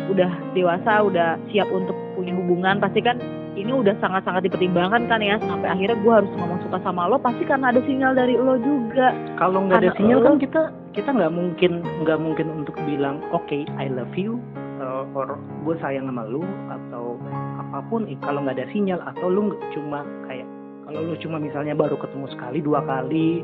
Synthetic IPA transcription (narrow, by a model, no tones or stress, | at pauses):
udahdewasaudahsiapunt̪ʊk̚puɲiɦubuŋanpast̪ikan | iniudahsaŋat̪saŋat̪̚dipərt̪imbaŋankanjasampajaɦirɲaɡuaɦaɾʊsŋamaŋsukasamalɔpast̪ikarnaːdasiɲaldaɾilɔd͡ʒuɡaʔkaloŋɡadasiɲalkankit̪a | kit̪aŋɡaʔmuŋkɪnŋɡaʔmuŋkɪnunt̪ʊk̚bilaŋokeajləfju | əɔɾ | ɡuasajaŋamalʊa̰t̪awapapʊnkaloŋɡaːdasiɲalat̪awlʊhŋɡat͡ʃuma | kajaʔ | kalolʊht͡ʃumamisalɲabaɾukət̪əŋusə̥kaliduakali